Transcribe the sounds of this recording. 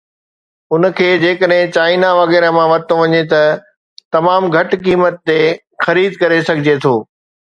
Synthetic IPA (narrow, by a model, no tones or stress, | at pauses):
ʊn̆kʰeːd͡ʑeːkəɗɦɪ̃t͡ɕaːɪinaʋɐɣɛːɾəmãʋɐt̪oʋɐɲet̪ɐ | t̪ɐmaːmɡʱɐʈkiːmət̪ːe | xɐɾiːd̪kɐɾesɐɡʱɪd͡ʑet̪ʰoː